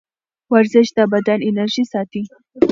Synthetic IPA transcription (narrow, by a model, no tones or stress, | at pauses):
waɾzɪʃd̪abad̪anɪnaɾʒisɑt̪i